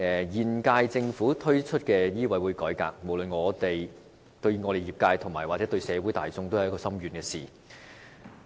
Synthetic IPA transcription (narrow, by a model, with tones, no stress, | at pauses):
ɛː˨˩jiː˨˩nkaː˧jt͡sɪ˧ŋfuː˨˥t̪ʰɵ˥ɥt͡ʃʰɵ˥t̚kɛː˧jiː˥wɐ˨˥jwuː˨˧jkɔː˨˥jka̰ː˧k̚mo˨˩wlɵ˨nŋɔː˨˧t̪e˨˩j | t̪ɵ˧ɥŋɔː˨˧ɾe˨jiː˨p̚kaː˧jt̪ʰʊ˨˩ŋmaː˨˩jwaː˨˩t͡sɛ˨˥t̪ɵ˧ɥsɛː˨˧wuː˨˥jt̪aː˨jt͡sʊ˧ŋt̪o˥whjkɔː˧sɐ˥mjyː˨˩nkɛː˧siː˨